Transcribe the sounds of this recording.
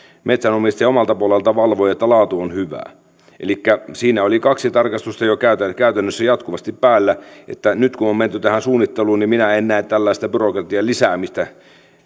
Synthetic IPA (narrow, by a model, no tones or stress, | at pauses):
met̪sænomist̪ɑjɑomɑlt̪ɑpuolelt̪ɑʋɑlʋoiet̪ːælɑːt̪uonhyʋæ̰ː | ʔḛlikːæsiːnæolikɑksit̪ɑrkɑst̪ust̪ɑjokæyt̪ækæyt̪ænːøsːæjɑt̪kuʋɑst̪ippæːlːæḛt̪ːænyt̪kunomment̪yt̪æhænsuːnːit̪ːeluːnnimminæennæːt̪t̪ælːæist̪ɑb̥yrokrɑt̪iɑlisæːmist̪æ